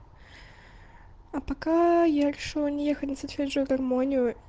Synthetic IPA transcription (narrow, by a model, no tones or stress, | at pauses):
ɐpɐkajaɾʲɪʂɨlˠnʲɪjexətʲnʲɪsɐt̪vʲeʐɨɡɐrmonʲɪjʊ